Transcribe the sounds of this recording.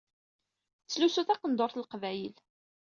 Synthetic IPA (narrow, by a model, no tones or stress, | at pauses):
t͡sːlusuθæqənd̪oɾθlqvæjəl